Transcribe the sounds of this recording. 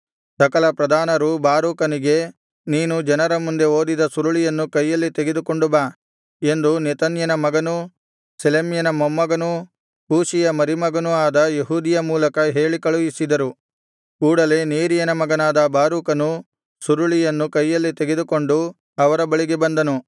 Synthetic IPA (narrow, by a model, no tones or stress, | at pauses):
sɐkɐlɐpɾɐd̪ʱaːnɐɾubaːɾuːkɐniɡe̞ | niːnud͡ʒɐnɐɾɐmund̪e̞oːd̪id̪ɐsuɾuɭijɐnːukɐjːɐlːit̪eɡe̞d̪uko̞ɳɖubaː | e̞nd̪unit̪ɐnjɐnɐmɐɡɐnu | selemjɐnɐmomːɐɡɐnu | kuːʃijɐmɐɾimɐɡɐnuaːd̪ɐjeɦuːd̪ijɐmuːlɐkɐɦe̞ːɭikɐɭujisid̪ɐɾu | kuːɽɐle̞neːɾijɐnɐmɐɡɐnaːd̪ɐbaːɾuːkɐnu | suɾuɭijɐnːukɐjːɐlːit̪eɡe̞d̪uko̞ɳɖu | ɐʋɐɾɐbɐɭiɡebɐnd̪ɐnu